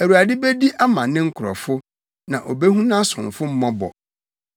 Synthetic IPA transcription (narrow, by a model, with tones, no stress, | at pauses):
æ˨wu˨a˨dɪ˦be˦di˦ʔa˦mã̰˨nɪ̃˦ŋ̩˦kʰʊ˨ɾɔ̰˨fʊ˦ | nã˨ʔo˨be˦hũ˦nã˦sʊ̰̃˨mfʊ˦m̩˦mɔ̃˦bɔ̰˨